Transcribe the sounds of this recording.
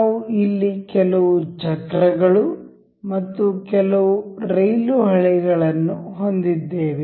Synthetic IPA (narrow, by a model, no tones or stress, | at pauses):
naʋuilːikɛlɐʋud͡ʒɐɡɾɐɡɐɭu | mɐt̪ːukɛlɐʋuɾɐjluɦɐɭɛɡɐɭɐnːuɦond̪id̪ːeːʋe